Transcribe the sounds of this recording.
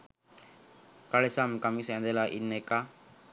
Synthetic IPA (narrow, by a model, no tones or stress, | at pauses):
kaɭesamkamisɛ̃nd̪elaʔinːeka